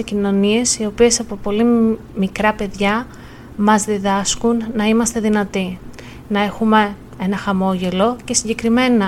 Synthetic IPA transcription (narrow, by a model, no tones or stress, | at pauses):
ecino̞nie̞sio̞pie̞sɐpo̞po̞li | mikɾɐpe̞ðʝɐ | mɐzðiðɐskunːɐimɐst̪e̞ðinɐt̪i | nɐe̞xume̞ | enɐxɐmo̞ʝe̞lo̞ce̞siɲɟe̞kɾime̞nɐ